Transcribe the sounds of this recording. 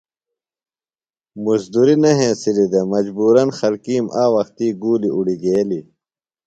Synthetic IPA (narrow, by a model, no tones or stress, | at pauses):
musd̪uɾinɐɦẽːsilid̪emɐd͡ʑbuːɾɐnxɐlkiːmʔaːwɐxt̪iːɡuːliuɽiɡeːli